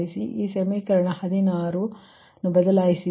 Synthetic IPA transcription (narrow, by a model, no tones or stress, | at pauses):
isiʔiːsemikɐɾɐɳɐhɐd̪inaːɾu | nɐːbɐd̪ɐlaːjisi